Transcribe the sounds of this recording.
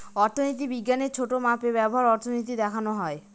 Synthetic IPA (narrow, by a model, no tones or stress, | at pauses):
ɔɾt̪ʰonit̪ibiɡːaneɾt͡ɕʰoʈomapeβɛboɦaɾɔɾt̪ʰonit̪̬id̪ɛkʰanoɦɔe